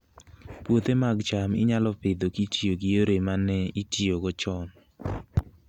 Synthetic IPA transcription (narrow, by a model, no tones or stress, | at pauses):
pwot̪emaɡt͡ʃamɪ̰ɲalɔpɪd̪okitioɡioɾemanɛitioɡɔt͡ʃɔn